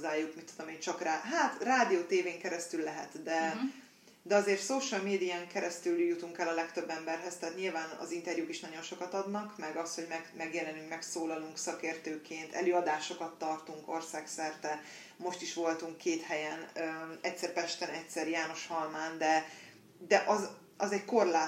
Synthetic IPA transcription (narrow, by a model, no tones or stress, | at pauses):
zːaːjukmit̪ːud̪o̞meːnt͡ʃɒkraːɦaːt̪raːd̪ijoːt̪eːveːŋkɛɾɛst̪ylːɛɦɛ̰t̪d̪ɛ | d̪ɛɒzeːrt̪soːʃɒlmeːd̪iaːŋkɛɾɛst̪yljut̪uŋkɛlɒlɛkt̪ø̞bːɛmbɛrɦɛst̪ɛaːt̪ɲilvaːnɒ̰zint̪ɛrjuːkiʃnɒɟo̞nʃo̞kɒt̪ɒd̪nɒkmɛɡɒst̪ho̞ɟmɛɡmɛɡjɛlɛnyŋkmɛksoːlɒluŋksɒkeːrt̪øːkeːnt̪ʰɛ̰løːɒd̪aːʃo̞kɒt̪ːɒrt̪uŋko̞rsaːksɛrt̪ɛ | mo̞ʃt̪iʃʋo̞lt̪uŋkʰːeːt̪hɛjɛnøɛcʲsɛrpɛʃt̪ɛnɛcsɛɾjaːno̞ʃhɒlmaːnd̪ɛ | d̪ɛʔɒz | ɒzɛɟko̞rlaː